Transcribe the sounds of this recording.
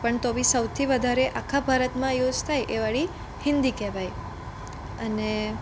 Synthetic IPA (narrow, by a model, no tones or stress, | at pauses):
pəɳt̪obĩsəwt̪ʰiʋəd̪ʱaɾeʔakʰabʱaɾət̪mãjod͡ʒt̪ʰajʔeʋaɭi | hɪnd̪ikɛʋaj | əne